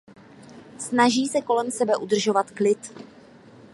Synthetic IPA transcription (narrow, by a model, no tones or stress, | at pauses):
snaʒiːsɛko̞lɛmsɛbɛʔud̪r̩ʒo̞vat̪klɪt̪